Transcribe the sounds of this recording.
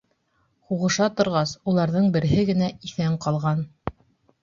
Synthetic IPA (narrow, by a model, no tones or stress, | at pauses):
huʁɤ̆ʃɑt̪ŏɾʁɑsulˠɑɾðɤɴbɘ̆ɾɘ̆ɦɘɡɘ̆næiθæɴqɑlˠʁɑn